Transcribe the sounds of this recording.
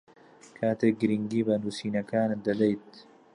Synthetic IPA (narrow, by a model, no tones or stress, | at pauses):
kʰaːt̪eːk̚ɡɨɾiŋɡiːbɐnuːsiːnɐkaːnd̪ɐd̪ɐjt̪̚